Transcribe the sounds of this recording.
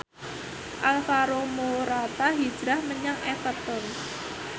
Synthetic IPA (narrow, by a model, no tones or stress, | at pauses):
ʔalfaɾomoɾat̪aɦi̥d͡ʒ̥ɾahməɲaŋefət̪ən